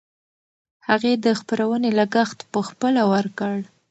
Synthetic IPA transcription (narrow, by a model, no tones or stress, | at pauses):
haɣed̪əxpəɾawənelaɡaxt̪pəxpəlawəɾkəɽ